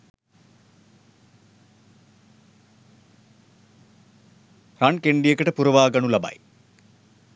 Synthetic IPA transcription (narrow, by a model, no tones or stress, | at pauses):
rɐɳkeɳɖijekəʈəpuɾɐʋaːɡɐɳulɐbɐ̰j